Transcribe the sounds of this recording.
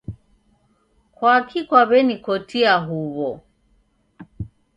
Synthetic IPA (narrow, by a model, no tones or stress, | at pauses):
kwakʰikwaβɛnikɔtiaɦuβɔ